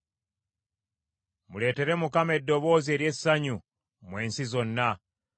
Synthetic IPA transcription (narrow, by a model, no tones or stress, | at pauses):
mule̞ːte̞ɾe̞mukamae̞dːo̞βo̞ːzie̞ɾje̞saɲu | mwe̞ːnsizo̞nːa